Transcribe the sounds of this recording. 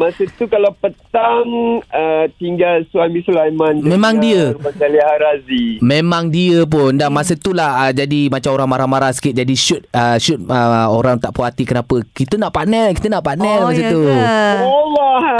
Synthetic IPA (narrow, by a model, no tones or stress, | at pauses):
masət̪ukalawpət̪aŋət̪iŋɡalswamĩsulajmãnmẽmãŋdiəbad͡ʒalihaɾazimẽmãŋdiəp̬ʊndamasət̪ulahəd͡ʒadimat͡ʃamoɾaŋmaɾamaɾahsə̥kɪt̪̚d͡ʒadiʃʊt̪̚əʃʊt̪̚əoɾaŋt̪aʔpuat̪ikənapəkit̪ənaʔpanɛlki̥t̪ənaʔpanɛlmas̬ət̪uala